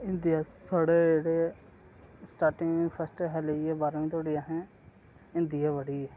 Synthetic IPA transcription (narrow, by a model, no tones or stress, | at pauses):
ɪ̃nd̪ijaːsaːɽeːd͡ʒeːɽeː | sʈaːɾʈɪ̃ŋpʰəsʈɦɛleeːbaːɾĩːt̪ʰoːɽiːaːɦɛ̃ː | ɪ̃nd̪iɛːʋəɽiː